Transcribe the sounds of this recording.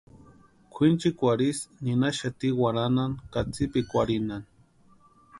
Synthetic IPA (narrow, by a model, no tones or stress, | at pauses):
kʷʰint͡ʃikʷaɾisninaʃat̪iwaɾanaŋkat͡sipikʷaɾinan